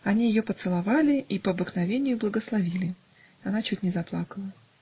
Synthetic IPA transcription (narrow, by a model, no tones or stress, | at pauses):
ɐnʲijɪjopət̪sɨlˠɐvalʲɪʔipəɐbɨknɐvʲenʲɪjʊblˠəɡəslˠɐvʲilʲɪ | ɐnat͡ɕutʲnʲɪzɐplˠakəlˠə